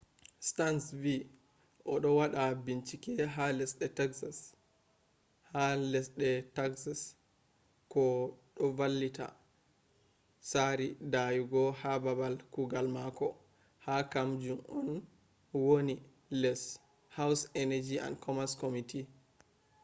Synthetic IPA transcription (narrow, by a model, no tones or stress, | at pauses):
stansvi | ʔɔɗɔwaɗabint͡ʃikɛɦalɛsɗɛtɛksas | halɛsɗɛtaksas | kɔɗɔvalːita̰ | aɾidajuɡɔhababalkuɡalmakɔ | hakamd͡ʒumɔn | woni | lɛs | hawsɛnɛd͡ʒia̰nkɔmaskomitʰi